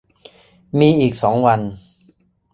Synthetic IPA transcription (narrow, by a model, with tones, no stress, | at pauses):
miː˧ʔiː˨˩k̚sɔː˩˦ŋwa˧n